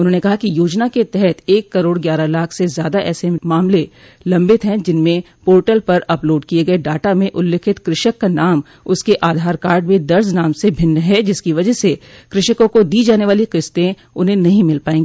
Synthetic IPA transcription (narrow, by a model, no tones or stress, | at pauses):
ʊnɦõːnekɐɦakijoːd͡ʒnaket̪ɛɦɛt̪eːkːɐɾoːɽɡjaːɾalaːkʰsezjaːd̪aʔɛːsemaːmle | lɐ̃mbɪt̪ɦɛ̃d͡ʒɪnmẽ | poːɾʈəlpɐɾɐploːɖkieɡɐeɖaːʈamẽʔʊlːeːkʰɪt̪kɾɪʃəkːanaːm | ʊskeʔaːd̪ʱaːɾkaːɾɖmẽd̪ɐɾznaːmsebʱɪ̃nːɦɛd͡ʒɪskiʋɐd͡ʒəɦsekɾɪʃəkõkod̪iːd͡ʒaːneʋaːliqɪst̪ẽ | ʊnɦẽnɐɦĩmɪlpaːẽːɡiː